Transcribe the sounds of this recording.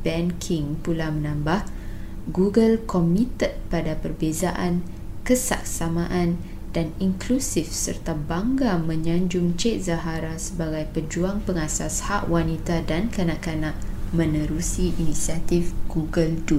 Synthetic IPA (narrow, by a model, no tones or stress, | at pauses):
bɛnkʰiŋpulamə̃nãmbah | ɡuɡəlkɔmĩt̪ət̪̚padapərbezaʔankəsa̰k̚samãʔan | d̥aniŋklusifsə̰rt̪abaŋɡamə̃ɲãɲd͡ʒʊŋt͡ʃet̪̚zaɦaɾasəbaɡajpəd͡ʒuaŋpəŋasashaʔwanit̪adankanãʔkanãʔmə̃nə̃ɾusiʔinĩsiat̪ifɡ̥uɡəldu